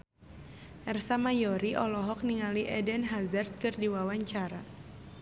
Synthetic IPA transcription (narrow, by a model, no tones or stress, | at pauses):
ʔɛrsamajɔɾiʔɔlɔɦɔk̚niŋaliʔɛdɛnɦazərt̪̚kɨrdiwawaɲt͡ʃaɾa